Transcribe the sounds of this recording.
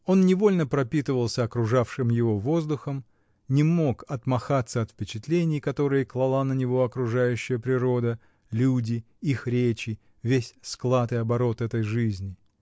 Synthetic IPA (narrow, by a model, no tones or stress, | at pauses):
o̞nnʲɪvo̞lʲnəpɾɐpʲit̪ɨvəlˠsʲəɐkɾʊʐafʂɨmjɪvo̞vo̞zd̪ʊxəm | nʲɪmo̞kɐt̪mɐxat̪sːəɐt̪fpʲɪt͡ɕɪt̪lʲenʲɪjkɐt̪o̞ɾɨjəklˠɐlˠanənʲɪvo̞ɐkɾʊʐajʉɕːɪjəpɾʲɪɾo̞d̪ə | lʲudʲɪ | ixɾʲet͡ɕɪ | vʲesʲsklˠat̪ɨjɐbɐɾo̞t̪ɛt̪əjʐɨzʲnʲɪ